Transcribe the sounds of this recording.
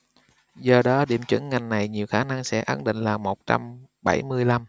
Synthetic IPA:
zɔ˨˩ɗɔ˨˦ɗḭ˧˩əmt͡ɕwɨ̰˧˩˥ŋŋa˨˩jŋ̟na˨˩jɲi˨˩əwxaː˧˩na˧ŋsɛ̰˧˥ʔa˧˥nɗḭ̈˧˨ŋ̟laː˨˩mo˨˩t̚t͡ɕa̰˧m | ɓa˧˩jmɨ˧əjla˧m

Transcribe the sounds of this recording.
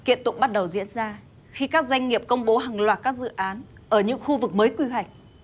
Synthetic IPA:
ki˧˩ənt̪ʊ̰˧˨ŋ͡m̚ɓa˦˥t̚ɗə˨˩wzḭ˧˥ənzaː˧ | xi˧kaː˦˥k̚zwa˧jŋŋi˨˩əp̚kə˧wŋ͡mɓo˨˦ɦaː˨˩ŋlwaː˨˩t̚kaː˦˥k̚zɨ̰˧˨ʔaː˨˦n | ʔəː˧˩ɲɨ̰˧˥ŋxu˧vɨ˨˩k̚məː˨˦jkwi˧˩wa˨˩jk̟̚

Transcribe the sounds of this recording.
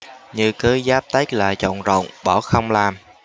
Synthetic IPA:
ɲɨ˧kɨ˨˦zaː˦˥p̚t̪ə˦˥k̚la̰ː˨˩t͡ɕɔ̰˧˨nzo̰˧˨wŋ͡mɓɔ˧˩xə˧wŋ͡mlaː˨˩m

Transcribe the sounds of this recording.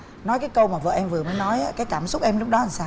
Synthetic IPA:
nɔ˨˦jkaː˨˦jkə˧wmaː˨˩və̰ː˧˨ʔɛ˧mvɨ˨˩əməː˨˦jnɔ˨˦jʔaː˨˦kaː˨˦jkaː˧˩msʊ˦˥k͡p̚ʔɛ˧mlʊ˦˥k͡p̚ɗɔ˨˦a˨˩saː˧

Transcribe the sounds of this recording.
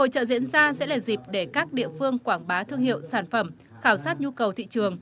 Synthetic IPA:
ho̰˧˨t͡ɕə̰ː˧˨zḭ˧˥ənzaː˧sɛ̰˧˥laː˨˩zi˨˩p̚ɗe˧˩kaː˦˥k̚ɗḭ˧˨əfɨ˧əŋkwaː˧˩ŋɓaː˨˦t̪ʰɨ˧əŋhḭ˧˨əwsaː˧˩nfə˧˩m | xaː˧˩wsaː˦˥t̚ɲu˧kə˨˩wt̪ʰḭ˧˨t͡ɕɨ˨˩əŋ

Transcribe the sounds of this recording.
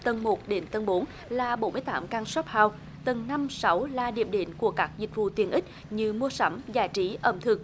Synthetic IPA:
t̪ə˨˩nmo˨˩t̚ɗe˨˦nt̪ə˨˩nɓo˨˦n | laː˨˩ɓo˨˦nmɨ˧əjt̪aː˨˦mkaː˧ŋswa˦˥p̚haː˨˩w | t̪ə˨˩nna˧msa˨˦wlaː˨˩ɗḭ˨˧˩əm̚ɗe˨˦nku˧˩əkaː˦˥k̚zï˨˩k̟̚vṵ˧˨t̪wi˧˩ənʔï˦˥k̟̚ | ɲɨ˧mu˧əsa˨˦mzaː˧˩jt͡ɕi˨˦ʔə˧˩mt̪ʰɨ˨˩ək̚

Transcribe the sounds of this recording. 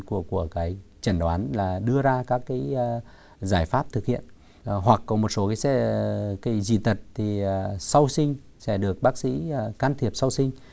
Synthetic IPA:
ku˧˩əku˧˩əkaː˨˦jt͡ɕə˧˩nɗwaː˨˦nlaː˨˩ɗɨ˧əzaː˧kaː˦˥kːaː˨˦j | zaː˧˩jfaː˦˥p̚t̪ʰɨ˨˩k̚hḭ˧˨ən | ɦwa˨˩kːɔ˨˦mo˨˩t̚so˨˦kaː˨˦sɛ̰˧˥kaː˨˦jzḭ˧˩˨t̪ʰə˨˩t̚t̪ʰi˨˩˨sa˧wsï˧ŋ̟ | sɛ̰˧˥˩ɗɨ˨˩ək̚ɓaː˦˥k̚sḭ˧˥˨kaː˧nt̪ʰi˨˩əp̚sa˧wsï˧ŋ̟

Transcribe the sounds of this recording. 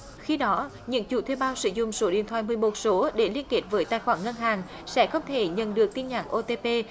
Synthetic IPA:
xi˧ɗɔ˨˦ | ɲɨ̰˧˥ŋt͡ɕṵ˧˩t̪ʰe˧wɓaː˧wsɨ̰˧˥zʊ̰˧˨ŋ͡mso˨˦ɗḭ˧˩ənt̪ʰwaː˧˨jmɨ˨˩əjmo˨˩t̚so˨˦ɗe˧˩li˧ənke˨˩t̚vəː˨˦jt̪aː˧˨jxwaː˧˩ŋə˧nɦaː˨˩ŋ | sɛ̰˧˥xə˧wŋ͡mt̪ʰe˧˩ɲə̰˧˨nɗɨ˨˩ək̚t̪i˧nɲa̰ː˧˩ŋʔo˧t̪e˧pe˧

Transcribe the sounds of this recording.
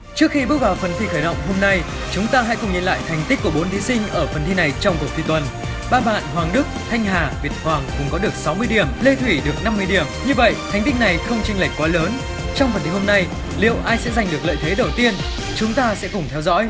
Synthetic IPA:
t͡ɕɨ˦˥ək̚xi˧ɓɨ˦˥ək̚vaː˨˩wfə˨˩nt̪ʰi˧xəː˧˩jɗə̰˧˨wŋ͡mɦo˧mna˧j | t͡ɕʊ˨˦ŋ͡mt̪aː˧ɦa̰˧˥kʊ˨˩ŋ͡mɲi˧nla̰ː˧˨jt̪ʰa˨˩jŋ̟t̪i˦˥k̟kːu˧˩əɓo˨˦nt̪ʰi˨˦sï˧ŋ̟ʔəː˧˩fə˨˩nt̪ʰi˧na˨˩jt͡ɕɔ˧wŋ͡mko˨˩t̪ʰi˨˧˩t̪wə˨˩n | ɓaː˧ɓa̰ː˧˨nɦwaː˨˩ŋɗɨ˦˥k̚t̪ʰa˧jŋ̟ɦaː˨˩vi˨˩ət̚hwaː˨˩ŋkʊ̰˧˩ŋ͡mkɔ˨˦ɗɨ˨˩ək̚sa˨˦wmɨ˧əjɗi˧˩əmle˧t̪ʰwi˧˩ɗɨ˨˩ək̚na˧mːɨ˧ə˧ɗi˧˩əmɲɨ˧və̰˧˨jt̪ʰa˨˩jŋ̟t̪ï˦˥k̚na˨˩jxə˧wŋ͡mt͡ɕï˧ŋli˨˩k̚kwaː˨˦ləː˨˦n | t͡ɕɔ˧wŋ͡mfə˨˩nt̪ʰi˨˧ho˧mna˧j | lḭ˧˨əwʔaː˧jsɛ̰˧˥za˨˩ŋ̟ɗɨ˨˩ək̚lə̰ː˧˨jt̪ʰe˨˦ɗə˨˩wt̪i˧ən | t͡ɕʊ˨˦ŋ͡mt̪aː˧sɛ̰˧˥kʊ˨˩ŋ͡mt̪ʰɛ˧wzɔ̰˧˥j

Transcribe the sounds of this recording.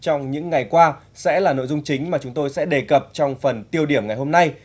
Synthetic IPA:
t͡ɕɔ˧wŋ͡mɲɨ̰˧˥ŋːa˨˩jkwaː˧ | sɛ̰˧˥laː˨˩no̰˧˨zʊ˧ŋ͡mt͡ɕï˨˦ŋ̟maː˨˩t͡ɕʊ˨˦ŋ͡mt̪o˧jsɛ̰˧˥ɗe˨˩kə˨˩p̚t͡ɕɔ˧wŋ͡mfə˨˩nt̪i˧əwɗi˧˩əmŋa˨˩jho˧mna˧j

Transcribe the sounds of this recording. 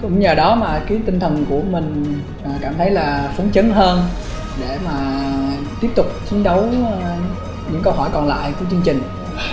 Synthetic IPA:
kʊ̰˧˥ŋ͡mɲəː˨˩ɗɔ˨˦maː˨˩kaː˨˦jt̪ï˧ŋ̟t̪ʰə˨˩nku˧˩əmï˨˩ŋ̟ː˨˩ | kaː˧˩mt̪ʰə˨˦jlaː˨˩fə˨˦nt͡ɕə˨˦nɦəː˧n | ɗe˧˩maː˨˩ | t̪i˦˥əp̚t̪ʊ˨˩k͡p̚t͡ɕi˨˦ənɗə˨˦w | ɲɨ̰˧˥ŋkə˧wɦɔ˧˩jkɔ˨˩nla̰ː˧˨jku˧˩ət͡ɕɨ˧əŋt͡ɕï˨˩ŋ̟

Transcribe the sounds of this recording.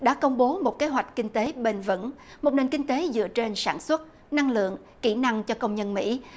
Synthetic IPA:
ɗa̰ː˧˥kə˧wŋ͡mɓo˨˦mo˨˩t̚ke˨˦ɦwa˨˩jk̟̚kï˧ŋ̟t̪e˨˦ɓe˧nvə̰˧˥nmo˨˩t̚ne˨˩nkï˧ŋ̟t̪e˨˦zɨ̰˧˨ət͡ɕe˧nsaː˧˩nswə˦˥t̚ | na˧ŋlɨ̰˧˨əŋ | ki˧˩na˧ŋt͡ɕɔ˧kə˧wŋ͡mɲə˧nmḭ˧˥

